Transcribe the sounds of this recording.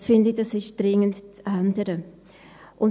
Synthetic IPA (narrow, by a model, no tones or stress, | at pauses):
sfɪndɪdɑsɪʃd̥ɾɪŋəntt͡sʔandəɾə | ʔʊn